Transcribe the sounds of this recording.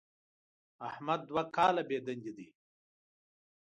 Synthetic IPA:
ahmad̪ːwakaːlabeːd̪ɐnɡid̪i

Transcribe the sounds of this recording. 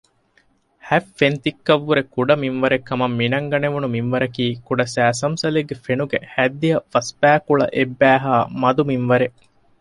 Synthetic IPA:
hæfːent̪ikːɐʋːuɾekuɖɐmimʋɐɾekːɐmɐmːinɐŋɡɐneʋunumimʋɐɾɐkiːkuɖɐsæːs̬ɐmsɐleɡːefenuɡehæd̪ːijɐfɐspæːkuɭɐ̰ʔebːæːɦaːmɐd̪uminʋɐɾe

